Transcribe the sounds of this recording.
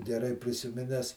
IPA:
ɡʲɛˈrɐɪ pʲrʲɪsʲɪˈmʲɪnʲɛs

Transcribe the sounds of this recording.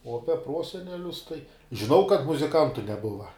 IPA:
oː ˈɑːpʲɛ ˈproːsʲɛnʲɛlʲʊs tɐɪ ʒʲɪˈnɐʊ kɐt mʊzʲɪˈkɐntʊ nʲɛˈbʊʋɐ

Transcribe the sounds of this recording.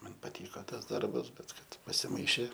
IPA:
ˈmɐn pɐˈtʲiːkɐ ˈtɐs ˈdɐrbɐs ˈbʲɛt ˈkɐt pɐsʲɪˈmɐɪʃʲeː

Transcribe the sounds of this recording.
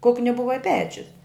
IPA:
ˈkʊknʲɪ ˈbʊʋɐ ɪ ˈpʲæːt͡ʃʲʊs

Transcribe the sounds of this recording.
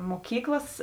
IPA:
moːˈkʲiːklˠɐs

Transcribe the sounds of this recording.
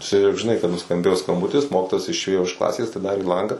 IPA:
ˈt͡ʃʲɛ jɛʊ ʒʲɪˈnɐɪ kɐt nʊskɐmʲˈbʲeːjoː skɐmˈbʊtʲɪs ˈmoːkʲɪtoːjɛs ɪʃʲˈeːjoː ɪʃ ˈklˠɑːsʲeːs ɐtʲɪˈdɑːrʲeː ˈlˠɐŋɡɑː

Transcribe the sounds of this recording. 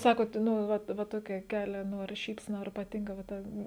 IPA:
ˈsɑːkoːt ˈnʊ ˈʋɐt ʋɐ ˈtoːkʲɛ ˈkʲæːlʲɛ ˈnʊ ɐr ˈʃʲiːpʲsʲɛnɐ ɐr pɐˈtʲɪŋkɐ ʋɐ ˈtɐ

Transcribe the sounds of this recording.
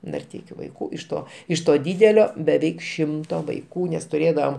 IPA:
nɐrʲˈtʲɛɪkʲʊ ʋɐɪˈkuː ɪʃ ˈtoː ɪʃ toː ˈdʲiːdʲɛlʲoː bʲɛˈʋʲɛɪk ˈʃʲɪmtoː ʋɐɪˈkuː nʲɛs tʊˈrʲeːdɐʋɐm

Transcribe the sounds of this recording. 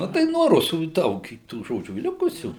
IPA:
ˈnʊ tɐɪ nuɔ ˈrʊsuː ɪ ˈdɐʊk ɪ tuː ˈʒoːd͡ʒʲuː ˈlʲɪkʊsʲuː

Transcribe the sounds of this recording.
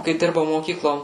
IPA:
kɐɪ ˈdʲɪrbɐʊ moːˈkʲiːklˠoː

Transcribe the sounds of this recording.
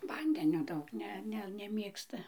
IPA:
ˈʋɐnʲdʲɛnʲoː ˈdɐʊk ˈnʲɛ ˈnʲɛ nʲɛˈmʲeːkstɐ

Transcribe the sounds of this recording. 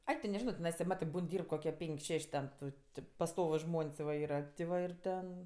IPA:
ˈɐɪ tʲɪ nʲɛˈʒʲɪnoː ˈnʲɛs tʲɪ ˈmɑːtɜ ˈbuːn ˈdʲiːrp koːkʲiɛ ˈpʲɛŋʲkʲ ˈʃʲɛʃʲ tʲɛn ˈtʊ tʲɪ pɐsˈtoːʋʊs ˈʒmoːnʲsʲ ʋɐ ˈiːrɐ tʲɪ ˈʋɐ ɪr ˈtʲɛn

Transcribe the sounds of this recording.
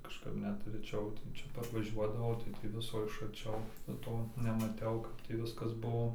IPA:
kɐʃˈkɐp ˈnʲɛt rʲɛˈt͡ʃʲɛʊ tʲɛn ˈt͡ʃʲɛ pɐrʋɐˈʒʲuɔdɐʋɐʊ tɐɪ tʲiː ˈʋʲɪsoː ɪʃ ɐrʲˈt͡ʃʲɛʊ nʊ ˈtoː nʲɛmɐˈtʲɛʊ ˈkɐp tʲiː ˈʋʲɪskɐs ˈbuɔ

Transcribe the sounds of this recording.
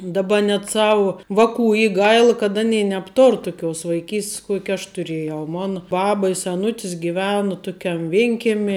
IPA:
dɐˈbɐ nʲɛt ˈsɑːʋʊ ˈʋɑːˌkuː ˈiː ˈɡɐɪlˠ kɐt ɐˈnʲeːɪ nʲɛpˈtoːr tʊˈkʲoːs ʋɐɪˈkʲiːsʲtʲs ˈkuɔkʲɪ ɐʃ tʊˈrʲeːjɛʊ ˈmoːnɐ ˈbɑːbɐ ɪ sʲɛˈnʊtʲɪs ɡʲɪˈʋʲæːnʊ ˈtʊkʲɛm ˈʋʲɪŋʲkʲɛmʲɪ

